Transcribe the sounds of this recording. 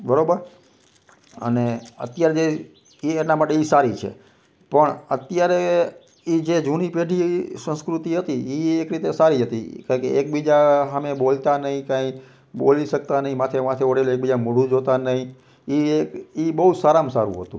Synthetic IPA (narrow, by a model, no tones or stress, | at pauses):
bəɾobəɾ | ə̰neə̰t̪jaɾed͡ʒe | ienamaʈeisaɾit͡ʃʰḛ | pəɳət̪jaɾe | id͡ʒed͡ʒunipeɖʱisə̃nskɾut̪iɦət̪iiekɾit̪esaɾiɦət̪ḭkaɾkeek̚bid͡ʒaɦamebolt̪anəɦĩkãi | boliʃək̚t̪anəɦĩmat̪ʰemãt̪ʰeoɽelek̚bid͡ʒamuɽ̤ũd͡ʒot̪anəɦĩ | iekibəɦud͡ʒsaɾãmsa̰ɾṵ̃ɦət̪ũ